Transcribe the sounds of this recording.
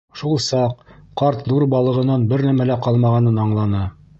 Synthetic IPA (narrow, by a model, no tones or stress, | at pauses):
ʃulˠsɑq̚qɑɾt̪ðuɾbɑlˠɤ̆ʁɤ̆nɑnbɘɾnæmælæqɑlˠmɑʁɑnɤnɑɴlˠɑnɤ